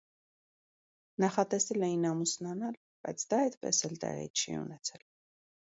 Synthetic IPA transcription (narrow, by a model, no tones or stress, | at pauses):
nɑχɑt̪ɛsɛlɛjinɑmusnɑnɑl | b̥ɑ̰jt͡sʰd̪ɑɛjd̪pɛ̰sɛlt̪ɛ̰ʁɛ̰ḭt͡ʃʰiɛ̰ṵnɛt͡sʰɛl